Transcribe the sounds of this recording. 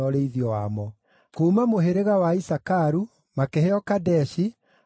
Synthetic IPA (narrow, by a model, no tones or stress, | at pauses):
ɔɾeiðiɔwamɔ | komamoɦeɾeɣawaisakaɾu | makeheɔkadɛʃi